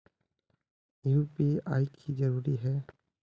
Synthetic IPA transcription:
iupiajkʰizɐɾuɾiɦɛ

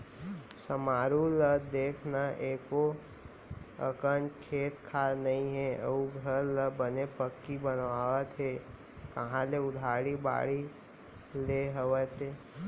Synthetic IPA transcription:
səmaːɾuləd̪eːkʰnaʔeːko | ə̰kənt͡ʃkʰeːt̪kʰaːnɐɦĩɦɛə̰uɡʱəɾləbənepəkːibənʋaːʋət̪ɦɛ | kəɦãleʊd̪ʱaːɽiba̰ːɽi | leɦəʋət̪eː

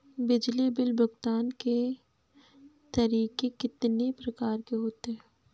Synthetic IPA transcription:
bɪd͡ʒlibɪlbʊɡt̪aːnke | t̪ɐɾiːkekɪt̪nepɾɐkaːɾkeɦoːt̪eɦɛ̃ː

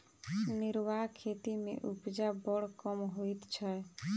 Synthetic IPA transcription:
nɪɾʋakʰet̪imḛ̃ʔupd͡ʒabɔɽkɔmɦoit̪t͡ʃʰə

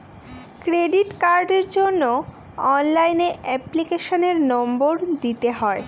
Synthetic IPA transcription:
kɾeɖiʈkaɾɖeɾd͡ʑonːo | ɔnlajneʔɛplikeʃoneɾnɔmboɾd̪it̪eɦɔe

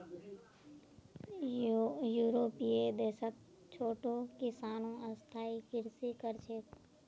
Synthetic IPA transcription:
juːɾoːpied̪eːsək̪ | t͡ʃʰoːʈokɪsaːnõəst̪ʰaːikɪɾsikəɾt͡ʃʰeːt̪

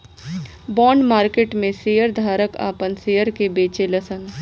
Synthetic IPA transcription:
bɔːɳɖmaːɾkeːʈmẽsejəɾd̪ʱaːɾəka̰ːpənsejəɾkebeːt͡ʃeləsən

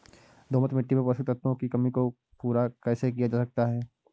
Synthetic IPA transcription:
d̪ʱoːmət̪mɪʈːimẽpɐsit̪ət̪ʰʋõkikɐmiko | puːɾakɛːsek̬ijad͡ʒaːsɐk̚t̪aɦɛː

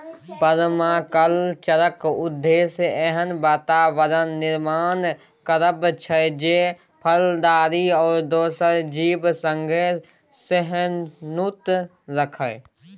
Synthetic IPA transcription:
pəɾmaːkəlt͡ʃəɾəkʊd̪ʱːeːsɛɦənbaːt̪aːʋəɾənːɪɾmaːn | kəɾəbt͡ʃʰəd͡ʒeː | pʰəld̪aːɾiɔːɾd̪oːsəɾd͡ʒiːbsə̃ŋɡʱe | seɦənnʊt̪ | ɾəkʰə

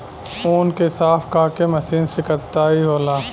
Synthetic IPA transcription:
oːnkesaːfkaːkemɐsiːnsekəɾt̪aːiɦoːlaː

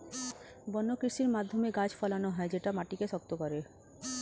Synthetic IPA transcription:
bɔnːokɾiʃiɾmad̪ʱːomeɡad͡ʑfɔlanoɦɔed͡ʑeʈamaʈikeʃɔk̚t̪okɔɾe

